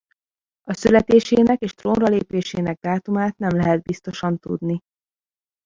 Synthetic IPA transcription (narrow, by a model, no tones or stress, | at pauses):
ɒsylɛt̪eːʃeːnɛkeːʃt̪roːnrɒleːpeːʃeːnɛɡ̚d̪aːt̪umaːt̪nɛmlɛɦɛd̪̚bist̪o̞ʃɒnt̪ṵd̪ni